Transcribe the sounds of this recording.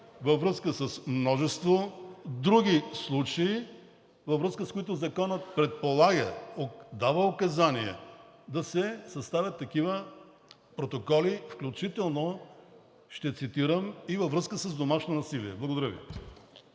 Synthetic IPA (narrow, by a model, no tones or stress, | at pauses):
vɐvɾɤskəsəsmnɔʒɛst̪vod̪ɾuɡʲislˠut͡ʃɐi | vɐvɾɤskəskoit̪ʊzɐkɔnət̪̚pɾɛt̪̚polˠaɡəod̪avəokɐzaniɛ̰ | d̪ɐsɛsɐst̪avʲət̪ːɐkivə | pɾot̪okɔlifklʲut͡ʃit̪ɛlˠno | ʃt̪ɛt̪sit̪iɾəmivɐvɾɤskəsəzd̪omaʃnonɐsiliɛblˠɐɡod̪ɐɾəvḭ